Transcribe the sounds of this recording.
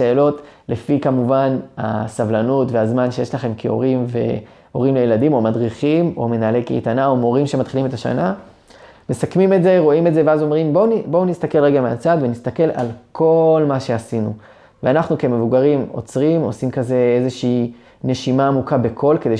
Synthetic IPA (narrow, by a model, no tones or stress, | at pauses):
e̞ːlo̞tle̞fikamuvana̰savlanutveazmanʃejeʃlaχe̞mkʰeo̞̰ʁimve̞̰ | o̞ʁimlejeladimomadʁiχimo̞̰me̞naːlekḛjtanaomo̞ʁimʃemat̪χilime̞taʃa̰na | me̞sakmimetze̞ʁo̞imetzeveazo̞mʁimbonibounist̪ake̞lʁeɡamea̰t͡sad̪venist̪ake̞la̰lkʰo̞lmaʃe̞asinu | veanaχnuke̞me̞vuɡaʁimo̞̰t͡sʁimo̞̰simkaze̞ezeʃiː | ne̞ʃimaːmukabe̞kʰo̞lke̞de